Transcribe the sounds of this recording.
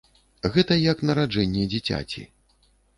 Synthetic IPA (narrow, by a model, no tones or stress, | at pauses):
ɣɛt̪ɐjɐknɐɾad͡ʐɛnʲːɛd͡zʲit͡sʲa̰t͡sʲḭ